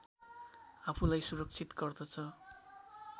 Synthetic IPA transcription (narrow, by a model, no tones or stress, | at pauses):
apʰulajsuɾʌk̚t͡sʰit̪ɡʌrd̪ʌt͡sʰʌ